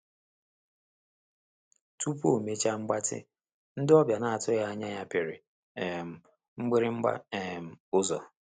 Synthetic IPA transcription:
tu˦pu˦o˨me˦t͡ʃa˦ŋ͡m̩˦ɡ͡ba˦tɪ̰˦ | n̩˦dɪ˦ɔ˦bja˨na˨a˨tʊ˦ɣa˦ɲa˦ɲa˦pe˨ɾɪ˨ | m̩˨ | ŋ͡m̩˦ɡ͡bɪ˦ɾɪ˦ŋ͡m̩˦ɡ͡ba̰˦e˨m̩˨ʊ˦zɔ̰˨

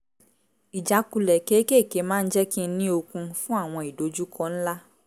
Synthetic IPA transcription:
i˨d͡ʒa˨˦ku˧lɛ˨ke˨˦ke˦˨ke˨˦mãː˦n̩˦d͡ʒɛ˦kĩ˦nĩ˦o˧kũ˧fũ˦a˦˨w̃ɔ̃˧i˨do˨˦d͡ʒu˦kʰɔ˦n̩˦la˦

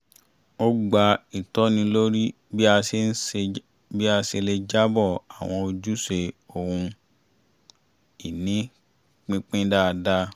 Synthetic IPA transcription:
o˦ɡ͡ba˧i˨tɔ˦nĩ˧lo˦ɾi˦ | bi˦a˧se˧n̩˦e˧ | bi˦a˧se˧le˧d͡ʒa˦bɔ˦˨a˨w̃ɔ̃˧o˧d͡ʒu˦se˧o˨hũ˧ | i˨nĩ˨˦ | k͡pĩ˦k͡pĩ˦da˦˧da˦

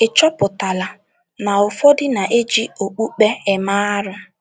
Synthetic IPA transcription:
ɪ˨t͡ʃɔ˦pʊ˨ta˨la˨ | na˨ʊ˨fɔ˦dɪ˦na˨ʔe˦d͡ʒi˦o˨k͡pu˦k͡pe˦ɪ˨ma˦ɾʊ˦

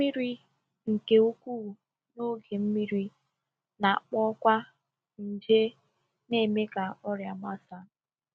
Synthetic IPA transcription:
m̩˦mi˦ɾi˦ | ŋ̩˨ke˨u˦kʷu˦˨ | no˦ɡe˨m̩˦mi˦ɾi˦ | na˨a˨k͡pɔ˦kʷa˦ | n̩˨d͡ʒe˦ | ne˦˨me˦ka˨ɔ˦ɾja˨ma˦sa˨

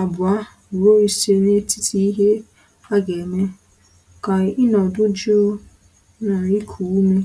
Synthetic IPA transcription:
a˨bʊ˨a˦˨ | ɾo˦i˨se˦ne˦tʰi˦tʰi˦i˦ɦe˦ | a˦ɡe˨me˦˨ | ka˨ɪ˦nɔ˨dʊ˦d͡ʒu˦o˦ | na˨i˦kʰu˨u˦me˦

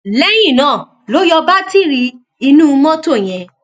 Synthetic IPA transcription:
lɛ˦j̃ĩ˦˨nãː˦˨ | lo˦jɔ˧ba˦ti˦˨ɾi˧ | i˧nũ˦˧mɔ̃˦to˦˨j̃ɛ̃˧

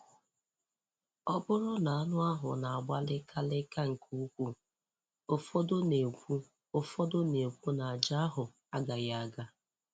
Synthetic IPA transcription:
ɔ˦bʊ˦ɾʊ˦na˨a˦nʊ˦a˦ɦʊ̰˨na˨a˨ɡ͡ba˦lɪ˦kʰa˦lɪ˦ka˦ŋ̩˨ku˦u˦kʷu˦ | o˦fɔ˦dʊ˦ne˨kʷu˦ | o˦fɔ˦dʊ˦ne˨kʷu˦na˨a˨d͡ʒa˦a˦ɦʊ˨ | a˦ɡa˨ja˦a˦ɡa˦

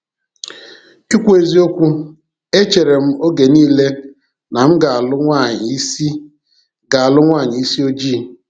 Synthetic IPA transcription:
i˦kʷu˦e˨zi˦o˦kʷu˦ | e˦t͡ʃe˨ɾe˨m̩˦o˦ɡe˨niː˦le˦ | na˨m̩˦ɡa˨a˨lʊ˦ŋʷa˦˨ɲ˨i˦si˦ | ɡa˨a˨lʊ˦ŋʷa˦˨ɲɪ˨i˦si˦o˦d͡ʒiː˦˨

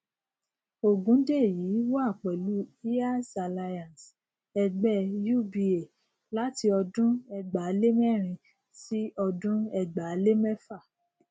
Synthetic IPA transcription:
o˨ɡũ˨˦de˦˨ji˨˦wɔ˦a˦˨k͡pɛ˨lu˨˦i˦a˦sa˧˨la˧jã˨ns | ɛ˧ɡ͡bɛ˦˨ju˦˨bi˧e˨ | la˦ti˧ɔ˧dũ˦ɛ˧ɡ͡ba˨˦le˦mɛ˦˨ɾ̃ĩ˧ | si˦ɔ˧dũ˦ɛ˧ɡ͡ba˨˦le˦mɛ˦fa˦˨

